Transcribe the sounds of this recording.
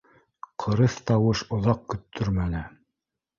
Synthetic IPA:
qʰɤ̆ɾɤθt̪ɑwɤʃŏðɑq̚kɵ̆t̪ʰːɵɾmænɘ

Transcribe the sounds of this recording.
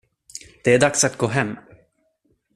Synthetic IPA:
d̪̥ɛæɖaksat̪̚ɡoːɦɛmː

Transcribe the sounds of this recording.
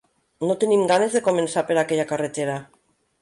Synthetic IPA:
not̪enimɡane̞zðe̞ko̞me̞nsapeɾakejakaret̪eɾa

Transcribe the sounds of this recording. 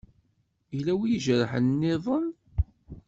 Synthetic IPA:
ilæwijʒəɾħənːɪðˤən

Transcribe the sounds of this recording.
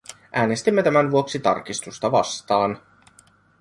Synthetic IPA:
ʔæːne̞st̪imːe̞t̪æmænʋuo̞ksit̪ɑ̰rk̟ist̪ust̪ɑʋɑ̰st̪ɑːn

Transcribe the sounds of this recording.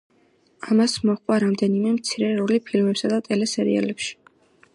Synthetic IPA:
amasmɔχkʼwaɾamd̪ɛnimɛmt̪sʰiɾɛɾɔlipʰilmɛpsad̪at̪ʼɛlɛsɛɾḭa̰lɛpʃi̥

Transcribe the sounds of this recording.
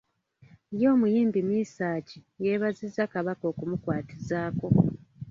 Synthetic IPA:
jo̞ːmujiːmbimiːsaːcije̞βazizːakaβako̞ːkumukwaːtizaːko̞

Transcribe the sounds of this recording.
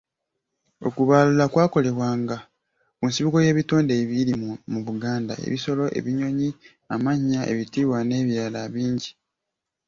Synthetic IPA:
o̞̰kuβaːlulakwaːko̞le̞βwaːŋɡa | kunsiβiko̞je̞ːβitoːndeːβiɾimuβuɡaːnda̰ḛβiso̞lo̞ʔe̞̰βiɲo̞ɲi | amaɲae̞̰βitiːwane̞ːβjaːlaβiːɲɟi

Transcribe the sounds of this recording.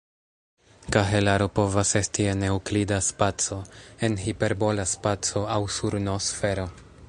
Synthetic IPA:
kaɦelaɾo̞po̞vase̞stiene̞uklidaspat͡so̞e̞nɦipe̞ɾbo̞laspat͡so̞awsuɾnosfe̞ɾo̞

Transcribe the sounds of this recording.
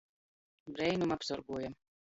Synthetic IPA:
bɾɛjnumapsɔɾɡuɔjam

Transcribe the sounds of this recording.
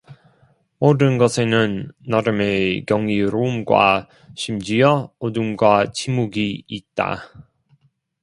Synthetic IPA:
modɯnɡʌsʰe̞nɯnːaɾɯme̞kjʌŋiɾoumɡwa̰ | ɕʰimd͡ʑiʌodumɡwat͡ɕʰimuɡiːt̚t͈a̰

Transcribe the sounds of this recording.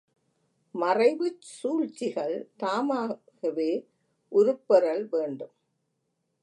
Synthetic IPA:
mɐrɐɪʋɯt͡ʃsuːɻt͡ʃːɪɣɐɭt̪aːmaː | ɣɐʋeː | ʔʊɾʊpːɐɾɐɭʋeːɳɖɯm

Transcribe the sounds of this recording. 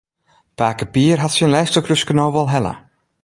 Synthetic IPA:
paːkəpiərɦatsənlɛjstəkrøskənowʋɔlˠɦɛlə̰

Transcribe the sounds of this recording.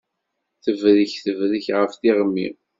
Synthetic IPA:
θəvɾəçθəvɾəçʁəfθiʁəmːḭ

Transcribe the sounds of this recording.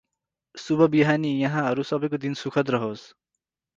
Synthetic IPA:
subʱʌbiɦanijʌɦãɦʌɾusʌbʌjkod̪insukʰʌt̪rʌɦos

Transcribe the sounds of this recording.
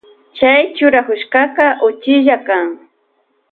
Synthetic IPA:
t͡ʃajt͡ʃʊɾakʊʃkɑqɑʔʊt͡ʃɪʒakaŋ

